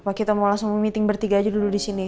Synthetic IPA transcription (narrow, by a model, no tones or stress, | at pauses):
pakit̪amolasŋmumit̪ɪŋbərt̪iɡaːd͡ʒudududisini